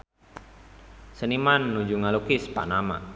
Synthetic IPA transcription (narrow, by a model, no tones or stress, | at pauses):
sənimanːud͡ʒuŋalukispa̰ʔnama̰